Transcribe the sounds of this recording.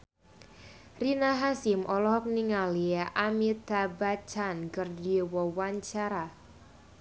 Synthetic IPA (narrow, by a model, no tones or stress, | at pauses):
rinaɦasimʔɔlɔɦɔk̚niŋaliaʔamit̪abat͡ʃankərdiwɔwaɲt͡ʃaɾa